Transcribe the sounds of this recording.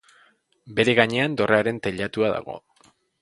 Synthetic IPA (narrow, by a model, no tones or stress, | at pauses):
be̞ɾe̞ɣaɲe̞and̪o̞rʔeaɾe̞nt̪eʎat̪uaða̰ɣ̞o̞̰